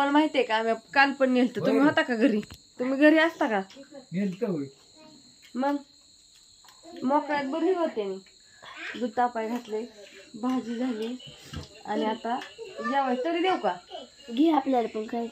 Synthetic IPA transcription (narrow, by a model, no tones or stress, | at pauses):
əlmaɦit̪ekaːmikalpəɳnelt̪ət̪um̤iːɦat̪akaɡʱəɾiːt̪um̤iːɡʱəɾiːəst̪akaɡʱelt̪əɦoj | məɡ | mɔkajat̪̚bəɾiːʋət̪ːani | ɡud̪apajɡʱat̪lebad͡ʑiːd͡zʱaliː | a̰ñiat̪ad͡ʑlaʋət̪əɾiːd̪ewka | ɡiaplaɾpəɳkʰə